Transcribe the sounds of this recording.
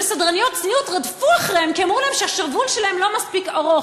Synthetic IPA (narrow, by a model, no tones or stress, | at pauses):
esadʁanijot̪̚t͡snijutʁad̪fuaχʁehemkiamʁulahemʃeaʃaʁvulʃelahemlo̞maspikaʁo